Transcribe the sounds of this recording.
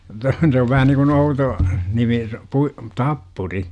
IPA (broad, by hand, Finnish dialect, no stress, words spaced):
tæ se oʋ ʋæhæ niŋkun outo nimi pui tɑpːuri